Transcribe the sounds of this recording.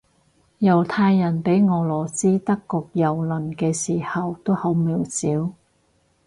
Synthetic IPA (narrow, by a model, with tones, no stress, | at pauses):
jɐ˨˩wt̪ʰaː˧jːɐ˨˩npe˨˥jŋɔː˨˩lɔː˨˩siː˥t̪ɐ˥kːɔː˧k̚jɐ˨wlɵ˨˩nkɛː˧siː˨˩hɐ˨wt̪o˥who˨˥wmi˨˩wsiː˨˥w